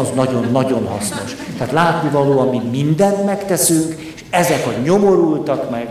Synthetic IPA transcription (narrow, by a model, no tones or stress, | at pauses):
ɒznɒɟonːɒɟo̞nɦɒ̰sno̞ʃ | t̪ɛːt̪laːt̪nivɒloːɒmmimind̪ɛnt̪mɛkt̪ɛsyŋkeʃɛzɛkhot̪ɲo̞mo̞ɾult̪ɒkmɛɡ